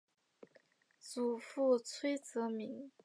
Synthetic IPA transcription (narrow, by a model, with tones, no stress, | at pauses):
t͡su˨˩fu˥˩t͡sʰwe˥ɪt͡sɤ˧˥mi˧˥ŋ